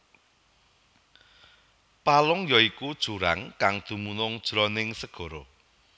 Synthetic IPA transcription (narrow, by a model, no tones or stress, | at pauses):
palʊŋjɔikud̥ʒ̥ṳɾaŋkaŋd̪̥ṳmunʊŋd̥ʒ̥ɾɔnɪŋsəɡ̥ɔ̤ɾo